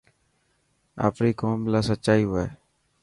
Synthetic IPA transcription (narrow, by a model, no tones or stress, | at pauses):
a̰ːpɾiːkoːmlaːsətːʃaːiːoeː